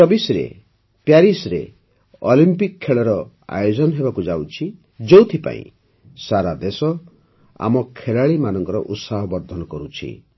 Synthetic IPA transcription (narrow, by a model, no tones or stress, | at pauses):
sɔbisɾḛ | pjaɾisɾḛ | ɔlimpikʰːeɭɔɾɔ | a̰jod͡ʒɔnɔɦebakud͡ʒawt͡ʃʰi | d͡ʒowt̪ʰipã̰ḭ̃ | saɾad̪esɔ | a̰mɔkʰeɭaɭimanɔŋkɔɾɔ̰ʔut̪saɦɔbɔɾd̪ʱɔnɔkɔɾut͡ʃʰḭ